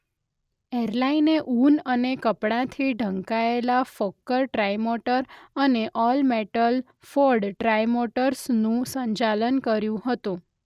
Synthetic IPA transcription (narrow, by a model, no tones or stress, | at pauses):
eɾlaineʔunənekəpɽãt̪ʰiɖʱə̃ŋkaelafokːəɾʈɾajmoʈəɾəneʔɔlmeʈəl | foɾɖʈɾajmoʈəɾsnũsəɲt͡ʃalənkəɾjũɦət̪ũ